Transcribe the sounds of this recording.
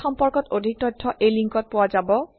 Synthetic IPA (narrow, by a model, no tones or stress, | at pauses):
xɔmpɔɹkɔtodʱik̚tɔdʱʰːɔʔejliŋkɔt̚pʊwazabɔ